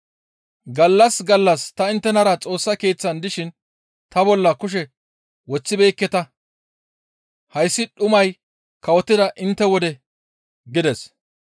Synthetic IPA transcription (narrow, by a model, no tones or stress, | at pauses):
ɡɐlːɐsɡɐlːɐst̪ɐɪnt̪ːɛnɐɾɐt͡sʼo̞ːsːɐke̞ːt͡sːɐnd̪ɪʃɪn | t̪ɐbɔlːɐkʊʃ̬ɛ | wɔt͡sːɪbeːkːɛt̪ɐ | hɐjsːɪɗʊmɐj | kɐwɔt̪ːɪd̪ɐʔɪnt̪ːɛwɔd̪ɛ | ɡɪd̪ɛs